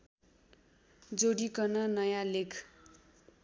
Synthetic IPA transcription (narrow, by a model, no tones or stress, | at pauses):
d͡zoɽikʌnʌnʌjãlekʰ